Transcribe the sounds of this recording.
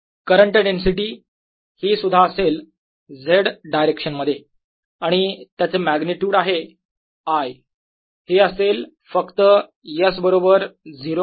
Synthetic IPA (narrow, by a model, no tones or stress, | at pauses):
kəɾəɳʈeɖensiʈiː | hiːsud̪ʱaəsel | d͡zʱeɽɖajɾekʂənməd̪ʱje | aɽ̃it̪jat͡semæɡniʈjuːɽaɦe | aj | heəsel | fəkt̪ə | jəsbəɾobəɾd͡ziɾo